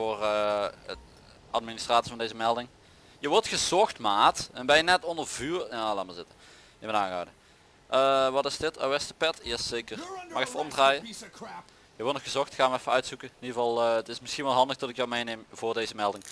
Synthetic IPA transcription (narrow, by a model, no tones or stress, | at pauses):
vʊːr | ɑt̚ministraːtsivɑndejzəmɛlˠdɪŋ | jəʋɔrtxəzɔxtmaːtɛnbɛjənɛtɔndərvyːrjaːlaːmazɪtə | jəmənaːnɣa̰ːdə | ʔəʋɑtɪsdɪta̰wɛstəpɛtjɛsejkərmɑxɛfəɔmdraːjə | jəʋɔrtnɔxəzɔxtxaːnʋəɛfəœɥtsukənɪniəvɑlˠətɪsmɪsxinʋɛlˠɦɑndəxtɔtɪkjawmejnejmvʊːrdejzəmɛlˠdɪŋ